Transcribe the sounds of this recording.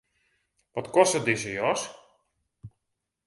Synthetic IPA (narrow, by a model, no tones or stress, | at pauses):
ʋɔtkɔstədɪsəjɔs